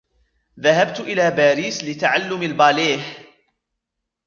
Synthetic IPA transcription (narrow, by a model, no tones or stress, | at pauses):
ðaɦabt̪ʔɪlaːbaːɾiːslɪt̪aʕalːʊmalbaːliːħ